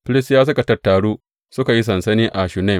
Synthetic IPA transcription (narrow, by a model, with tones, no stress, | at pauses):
ɸlɪ˦sjaː˦s̬ʊ˦ka˨tɐ˨rtːaː˨ɽuː˦ | sʊ˦ka˨ji˦s̬ɐ˨nsɐ˦niː˦ʔa˨ʃu˨na˦˨